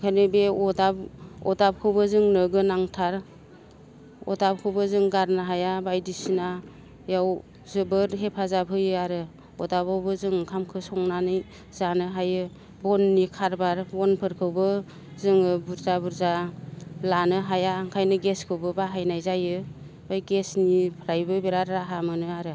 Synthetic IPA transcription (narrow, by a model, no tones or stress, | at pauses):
kʰajnɯbeɔdabɔ̰dap̚kʰɯwbɯzɯŋnɯɡɯnaŋtʰaɾ | ɔ̰dab̚kʰɯwbɯzɯŋɡaɾnɯɦajabajdisina | jaw | zɯbɯɾɦepʰazabʰɯjɯaɾɯ | ɔdabawbɯzɯŋkʰamkʰɯsɔŋnanɯj | z̥anɯɦajɯ | bɔnːikʰaɾbaɾbɔnpʰɯɾkʰɯwbɯ | zɯŋɯbuɾzabuɾza | lanɯɦajaːŋkʰajnɯɡeskʰɯwbɯbaɦajnajzajɯ | bajɡesnipʰɾajbɯbeɾaɾːaɦamɯnɯaɾɯ